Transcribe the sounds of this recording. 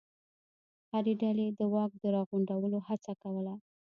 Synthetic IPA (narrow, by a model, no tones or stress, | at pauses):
haɾeɖaled̪əwɑk̚d̪əɾɑɣuɳɖawəlohat͡sakawəla